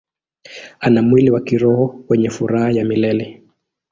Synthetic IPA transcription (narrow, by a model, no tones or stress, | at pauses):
anamwiliwakiɾɔhɔwɛɲɛfuɾahajamilɛlɛ